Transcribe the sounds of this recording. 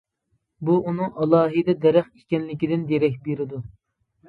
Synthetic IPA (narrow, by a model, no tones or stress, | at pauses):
buʔunɨŋɑlˠɑːɦɨd̪ɛd̪ɛɾæχikʲɛnlɪkʲid̪ɪnd̪eɾɛkʲbeɾɪd̪u